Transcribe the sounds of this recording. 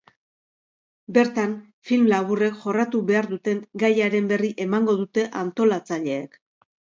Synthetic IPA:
be̞ɾt̪an | filmlaβure̞kʝo̞rat̪uβe̞aɾðut̪e̞ŋɡajaɾe̞mbe̞riʔe̞maŋɡo̞ðut̪e̞ʔant̪o̞lat͡saʎe̞ːk

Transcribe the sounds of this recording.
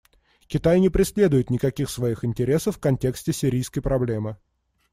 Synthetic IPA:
kʲɪt̪ajnʲɪpɾʲɪsʲlʲe̞d̪ʊjɪt̪nʲɪkɐkʲixsvɐixɪnʲtʲɪɾʲe̞səfːkɐnʲtʲe̞ksʲtʲɪsʲɪɾʲijskəjpɾɐblʲe̞mɨ

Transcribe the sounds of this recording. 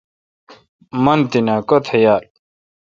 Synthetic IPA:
mɐnt̪inakot̪ʰejaːl

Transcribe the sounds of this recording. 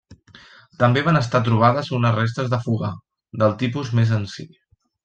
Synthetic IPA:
t̪əmbeβanəst̪at̪̬ɾuβ̞aðəzunəzrest̪əzðəfuɣa | d̪əlˠt̪ipuzmezənsḭ

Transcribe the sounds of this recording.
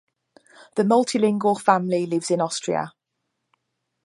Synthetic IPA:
ðəmʌlˠtʰɪlɪ̃ŋɡəlˠfãmlilɪvz̥ɪ̃nɒstɹ̥ḭə̰

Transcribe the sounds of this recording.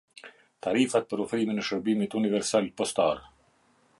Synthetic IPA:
t̪aɾifat̪̚pəɾufɾiminɛʃəɾbimit̪univɛɾsalpɔst̪a̰ɾ

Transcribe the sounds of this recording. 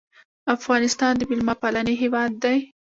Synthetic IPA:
afɣɑnɪst̪ɑnd̪əmɪlmɑpalaneɦewɑd̪ːaj

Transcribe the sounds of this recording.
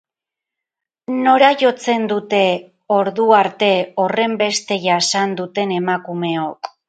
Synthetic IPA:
no̞ɾaʝo̞t͡se̞nd̪ut̪e̞ | o̞ɾðuaɾt̪e̞o̞re̞mbe̞st̪e̞ʝasand̪ut̪e̞ne̞makume̞o̞k

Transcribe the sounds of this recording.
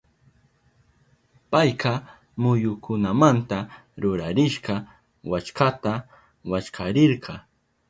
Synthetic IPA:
pajqɑ | mʊjʊkʊnamant̪aɾʊɾaɾɪʃɢɑ | wat͡ʃkat̪a | wat͡ʃkʰaɾɪɾqʰɑ

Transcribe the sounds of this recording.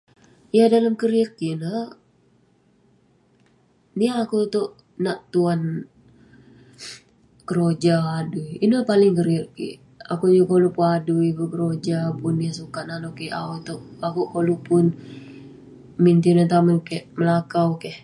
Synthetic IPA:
jadaləmkəɾirkinə | niaːkut̪oʔ | naʔt̪uan | kəɾod͡ʒaːduiinəpalɪŋkəɾirkḭʔ | a̰kud͡ʒukolupuaduibukəɾod͡ʒapʊnːiasukaʔnanokiʔaut̪oʔakuʔkolupʊn | mint̪inat̪amənkɛʔməlakawkɛh

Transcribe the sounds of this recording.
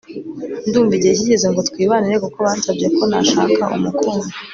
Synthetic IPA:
nduːɱviɟec̬iɟezeŋɡo̞tkwiːβaniɾekoko̞βaːnsabɟe̞ko̞na̰ʃa̰ːkaʔṵmukoːma

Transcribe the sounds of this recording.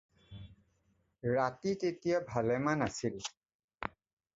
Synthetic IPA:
ɹatitetijabʱalɛmanasil

